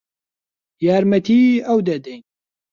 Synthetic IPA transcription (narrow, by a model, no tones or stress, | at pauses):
jaːɾmɐt̪ʰiːɐwd̪ɐd̪ɛjn